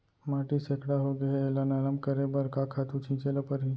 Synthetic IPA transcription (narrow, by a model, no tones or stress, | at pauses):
maːʈisekɽaɦoɡɐɦeelanaləmkɐɾebɐɾkakʰaːt̪ũt͡ʃʰĩːt͡ʃelapəɾɦi